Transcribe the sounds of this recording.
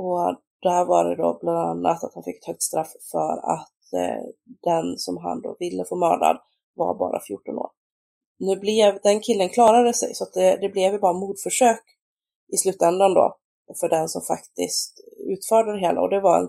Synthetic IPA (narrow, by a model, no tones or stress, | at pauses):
ɔ | d̪̥æhæːɾvaɾɛd̪ɔbland̪anːat̪at̪hanfɪkːɛt̪hœk̚t̪st̪ɾafːfœɾa̰t̪ | d̪̥ɛnsɔmɦa̰nd̪ɔvɪlːəfoːmœ̰ːɖa̰d̪ | va̰ɾbɑ̰ːɾʔafjuːʈːɔno̰ːɾ | nʉ̟ːblɛvd̪ɛnkʰɪlːənkʰlɑːɾad̪əsɛ̰jsɔat̪̚d̪ɛd̪ɛblɛvjɪbɑːɾamuːd̪fœʂøːk | ʔɪslʉ̟ːt̪ːɛnd̪and̪o̰ | fœɖɛnsɔmfakt̪ɪst̪ʉ̟ːt̪fœːɖəd̪ɛɦeːla̰ɔd̪ɛvaɾɛ̰n